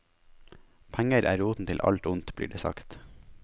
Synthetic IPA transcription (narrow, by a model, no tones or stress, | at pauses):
pʰæŋəɾʔæ̰ːɾuːt̪n̩t̪ʰɪlʔɑ̰lt̪ʊnt̪blḭːɖeːsɑ̰kt̪